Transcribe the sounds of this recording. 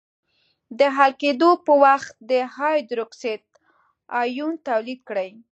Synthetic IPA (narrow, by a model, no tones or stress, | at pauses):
d̪əɦalked̪opəwaxt̪̚d̪əhɑjd̪ɾokset̪̚ | ɑjunt̪awlid̪̚kɽəj